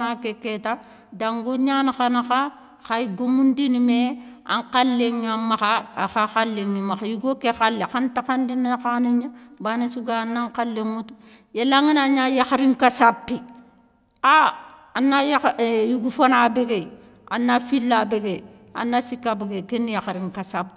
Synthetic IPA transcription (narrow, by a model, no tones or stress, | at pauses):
nakeketa | daŋɡoɲanaxanaxa | xaiɡomundinimea̰ŋqalːeŋɲamːaxa̰ːxaxalːeŋːimaxajuɡokexalːexantaxandinexaniɲabanisuɡanːaŋkalːeŋutu̥ | jelaŋinaɲajaxɾiŋkasapːi | a | anːajajuɡufonabeɡe | a̰nːafilːabeɡe | a̰nːasikabɡekenjaxɾiŋkasab